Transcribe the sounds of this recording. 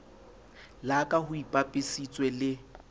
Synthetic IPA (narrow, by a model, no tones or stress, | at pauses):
lakʼahʊipʼapʼɪsit͡sʼwɛlɪ